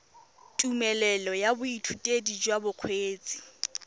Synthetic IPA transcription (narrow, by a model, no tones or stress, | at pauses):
tʼumɛlɛlɔjabʊitʰutʼedid͡ʒwabʊq͡χʰweːt͡sʼi̥